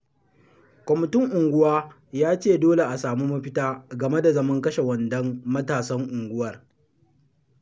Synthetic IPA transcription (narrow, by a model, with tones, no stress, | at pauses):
kʷɔ˨mɪ˨tɪ˦ŋʔʊ˨ŋɡʷʊ˦waː˦ | jaː˦t͡ʃeː˦˨doː˦le˨ʔa˨saː˨muː˦mɐ˦ɸɪ˦taː˦ɡɐ˨me˦da˨zɐ˦mɐ˦ŋkɐ˦ʃe˨wɐ˨ndɐ˦mːɐ˦taː˨sɐ˦ŋʔʊ˨ŋɡʷʊ˦wɐ˨r